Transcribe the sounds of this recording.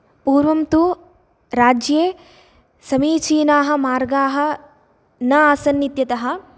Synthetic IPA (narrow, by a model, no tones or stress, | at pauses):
puːɾʋɐmt̪u | ɾaːd͡ʒjeː | sɐmiːt͡ʃiːnaːɦɐ̆maːɾɡaːɦɐ̆ | nɐaːsɐnːit̪jɐt̪ɐɦɐ̆